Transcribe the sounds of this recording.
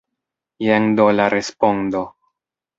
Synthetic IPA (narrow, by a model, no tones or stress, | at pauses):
jeŋd̪olaɾespond̪o